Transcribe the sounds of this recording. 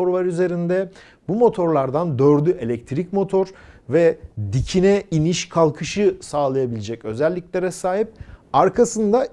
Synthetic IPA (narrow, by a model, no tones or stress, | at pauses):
o̞ɾlˠaɾyze̞ɾind̪ɛ | bumo̞t̪ʰo̞ɾlˠaɾd̪and̪øɾd̪ye̞lʲɛc̚t̪ʰɾicmo̞t̪ʰo̞ɾvɛd̪icʰinɛiniʃkʰalˠkʰɯʃɯsaːlˠajabilʲed͡ʒɛcø̞zɛlʲːiclʲe̞ɾɛsaːɦip̚aɾkʰasɯnd̪a